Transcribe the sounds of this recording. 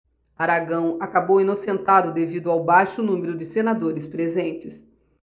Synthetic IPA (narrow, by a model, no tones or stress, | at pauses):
aɾaɡɐ̃w̃akabowinosẽnt̪ad̪ʊd̪evid̪ʊawbajʃʊnũmeɾʊd͡ʒɪsenad̪oɾɪspɾezẽnt͡ʃɪs